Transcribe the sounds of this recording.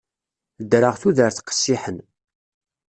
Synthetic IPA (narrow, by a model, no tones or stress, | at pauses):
d̪ɾəʁθuðəɾθqə̥sːiħən